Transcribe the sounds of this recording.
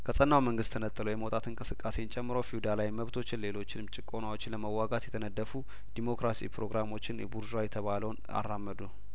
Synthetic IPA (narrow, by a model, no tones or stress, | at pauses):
kʰəsʼənːawməŋɡɨst̪ʰːənət̪ʼːɨləwjɛməwt̪ʼat̪ʰɨnŋkʼɨsɨkʼːase̞jnt͡ʃʼɛmːɨɾowfijud̪alajməβt̪ʰo̞t͡ʃːɪnle̞lo̞t͡ʃːɪnɨmt͡ʃʼɪkʼːo̞nawot͡ʃːɪləməwːaɡat̪jɛt̪ʰənəd̪ːəfu | d̪̥imo̞kɾasḭpɾo̞ɡɾamo̞t͡ʃːɪnjɛbuɾʒajɛt̪ʰəβaləwn | a̰rːamːəd̪u